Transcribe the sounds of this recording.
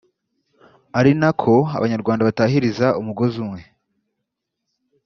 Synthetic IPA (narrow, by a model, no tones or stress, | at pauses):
aɾinakʰo̞a̰βaɲaɾɡwaːndaβataːɦiɾizaʔumuɡo̞zumŋe̞